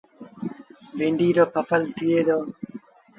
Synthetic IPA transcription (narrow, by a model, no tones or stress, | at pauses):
biɳɖiːɾoːpʰɐfəlt̪ʰieːd̪oː